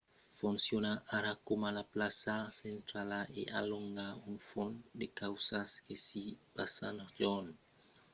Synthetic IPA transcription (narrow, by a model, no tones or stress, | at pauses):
funsjonaʔaɾakomalaplasasent̪ɾalaʔḛʔa̰loŋɡauŋfond̪ekawsaskesipasanod͡ʒon